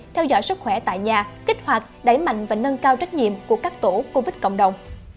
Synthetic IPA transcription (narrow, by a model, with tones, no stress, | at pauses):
t̪ʰɛ˧wzɔ̰˧˥˦jsɨ˦˥k̚xwɛ˧˩t̪a̰ː˧˨jɲaː˨˩ki˦˥k̟̚hwa˨˩t̚ɗa˨˧˩jma̰˧˨jŋ̟vaː˨˩nə˧nkaː˧wt͡ɕa˦˥jk̟̚ɲḭ˧˨əmku˧˩əkaː˦˥k̚t̪o˧˩˦ko˧vi˦˥t̚kə̰˧˨wŋ͡mɗə˨˩wŋ͡m